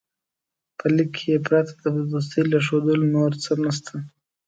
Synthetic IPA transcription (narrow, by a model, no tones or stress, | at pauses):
pʰəlikʰːejepɾɑt̪ʰḁd̪əb̪us̬t̪əjlaʂod̪əlonoɾt͡sənast̪ʰa